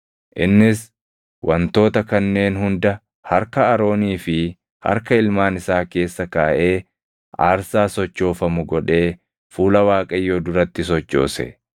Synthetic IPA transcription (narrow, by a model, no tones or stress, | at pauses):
ʔɪ̰nːɪs | wʔɐnt̪o̞ːt̪ɐkɐnːe̞ːnhʊnd̪ɐ | hɐɾkɐːɾo̞ːniːfɪ | hɐ̰ɾkɐɪlmaːnɪsaːke̞ːsːɐkaːʔe̞ː | aːɾsaːsɔt͡ʃːo̞ːfɐmʊɡɔᶑe̞ː | fuːlɐwaːkʼɐjːoːd̪ʊɾɐt̪ːɪsɔt͡ʃːo̞̰ːsɛ̰